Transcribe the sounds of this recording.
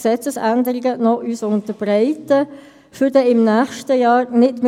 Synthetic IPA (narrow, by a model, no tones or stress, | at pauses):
sɛt͡səsændəʁɪɡənɔyːsʊntəb̥ʁaɪtə | fʏdəɪmnæːxʃtəjɑːɾnɪtm